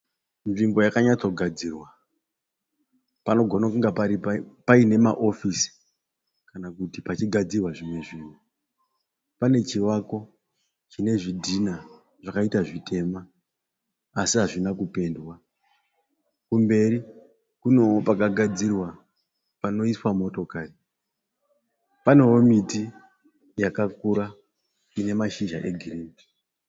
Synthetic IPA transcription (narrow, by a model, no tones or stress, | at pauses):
nʐimbo̞jakaɲat͡so̞ɡʱad͡ziːrwa | pano̞ɡʱo̞nakuŋɡapaɾipapaine̞maʔo̞fisi̥ | kanakutipat͡ʃiɡʱad͡zirwaʐimwe̞ʐiːnu | pane̞t͡ʃiwako̞ | t͡ʃine̞ʐidʱina | ʐ̥akaitaʐitʰe̞ːma | siɦaʐinakupe̞ndwa | kumbe̞ɾi | kuno̞opakaɡʱad͡zirwa | pano̞iswamo̞to̞kaːri | pane̞womiti | jakakuɾa | ine̞maʃiʒa̰ʔe̞ɡʱiriːmi